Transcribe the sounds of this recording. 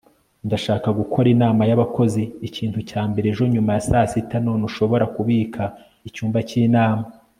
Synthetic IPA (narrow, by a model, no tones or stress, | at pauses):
ndaʃaːkaɡukʰo̞ɾinaːmajaβako̞ziːcʰiːntucaːmbe̞ɾeʒo̞ɲumajasaːsitanonuʃo̞βo̞ɾakuβiːkʰa | icuːmbaciːnaːma